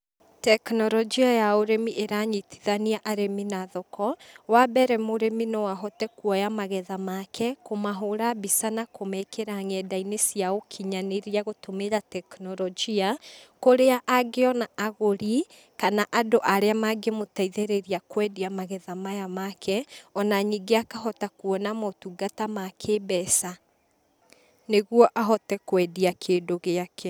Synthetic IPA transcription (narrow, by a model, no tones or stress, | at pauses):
tɛknɔɾɔd͡ʒiajaoɾemiʔeɾaɲitʰiðaniaʔaɾeminaðɔkɔwabɛɾɛmoɾeminɔwaɦɔtɛkuɔjamaɣɛðamakʰɛkomaɦoɾabisanakomɛkeɾaŋɛdainesiaokʰiɲaneɾiaɣotomeɾatɛknɔɾɔd͡ʒiakoɾeaʔaɡeɔnaʔaɣoɾi | kanaʔadoʔaɾeamaɡemotaiðeɾeɾiakwɛdiamaɣɛðamajamakʰɛɔnaɲiɡeakaɦɔtakuɔnamɔtuɡatamakʰebɛsa | neɣwɔʔaɦɔtɛkwɛdiakʰeːndoɣeakʰɛ